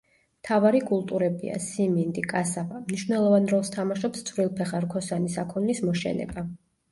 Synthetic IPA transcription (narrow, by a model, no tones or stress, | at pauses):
mt̪ʰavaɾikʼulˠt̪ʼuɾɛbḭa̰simind̪ikʼasavamniʃvwnɛlˠɔvanɾɔlˠst̪ʰamaʃɔpst̪sʰvɾilˠpʰɛχaɾkʰɔsanisakʰɔnːismɔʃɛ̰nɛ̰ba